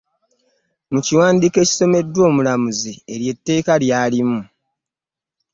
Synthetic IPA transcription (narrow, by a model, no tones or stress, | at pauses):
muciwaːndike̞ːci̥so̞me̞dːwo̞ːmulamuzieɾje̞tːe̞ːkaljaːlimu